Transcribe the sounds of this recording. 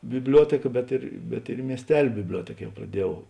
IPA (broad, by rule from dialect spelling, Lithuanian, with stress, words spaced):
bʲɪbʲˈlʲuɔtʲeːkɐ bʲɛt ɪr bʲɛt ɪr ɪ mʲiɛsʲˈtʲɛlʲ bʲɪbʲˈlʲuɔtʲeːk ˈjɛʊ prɐˈdʲiɛˌjɛʊ